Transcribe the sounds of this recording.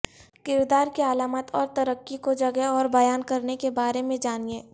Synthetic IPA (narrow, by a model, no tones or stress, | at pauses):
kɪwd̪aːɾkeəlaːmət̪ɔːɾt̪ɐɾəkːikod͡ʒɐɡəɔːɾbɐjaːnkɐɾnekebaːɾemẽd͡ʒaːnieː